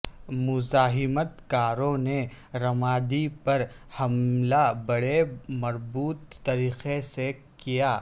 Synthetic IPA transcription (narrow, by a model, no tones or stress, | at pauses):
mʊzaːɦɪmət̪kaːɾõne | ɾɐmaːd̪ipɐɾhɐmlabɐɽemɐɾbuːt̪ːɐɾiːqese | kijaː